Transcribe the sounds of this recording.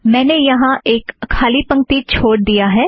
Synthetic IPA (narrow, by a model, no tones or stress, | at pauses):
mɛ̃ːnejɐɦãʔeːkʰːaːlipə̃ŋk̚t̪it͡ʃʰoːɽd̪ijaɦɛː